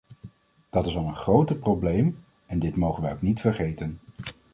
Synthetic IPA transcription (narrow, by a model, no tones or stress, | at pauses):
d̥ɑtɪsɑlˠənχrowtəprowblejm | ɛndɪtmowχənʋɛjowknitfəɹχejtən